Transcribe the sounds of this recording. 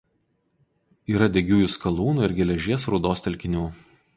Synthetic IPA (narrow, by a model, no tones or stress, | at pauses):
iːɾɐd̪ʲɛɡʲuːjʊskɐlˠuːnuːɪɾɡʲɛlʲɛʒʲiɛsɾʊd̪oːst̪ʲɛlʲkʲɪnʲuː